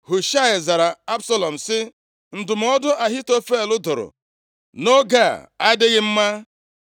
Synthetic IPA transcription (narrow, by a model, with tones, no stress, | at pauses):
ɦʊ˨ʃa˦ɪ˨za˨ɾa˨a˦bsa˦lɔ˨m̩˨sɪ˦ | n̩˨dʊ˨m̩˦ɔ˦dʊ˦ʔa˨ɦi˦to˦fe˦˨lʊ˦dʊ˨ɾʊ̰˨ | no˦ɡa̰˦˨a˦dɪ˦ɣɪ˦m̩˦ma˦